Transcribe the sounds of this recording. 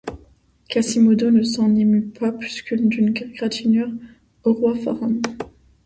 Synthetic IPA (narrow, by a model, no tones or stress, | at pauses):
kasimod̪onəsɑ̃nemypʰaplyskʰʲynd̪ynɡɡʁat̪ʰinœʁ | oʁwafɔ̰ʁɔm